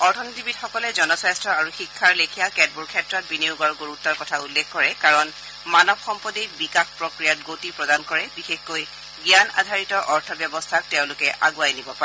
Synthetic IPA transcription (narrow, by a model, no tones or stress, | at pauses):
ɔɹtʰɔnitibitxɔkɔlɛzɔnɔsajstɹɔaɹuxikʰːaɹlekʰijakɛd̚buɹkʰɛtɹɔt̚biniʊɡɔɹɡoɹutːaɹkɔtʰaulːɛxkɔɹɛkaɹɔn | manɔbxɔmpɔdijbikaxpɹokɹijatɡotipɹɔdankɔɹɛbixexkoj | ɡjana̰dʱaɹitɔʔɔɹtʰɔbjɔbɔstʰak̚tɛʊ̃lʊkɛʔʔa̰ɡuajnibɔpaɛ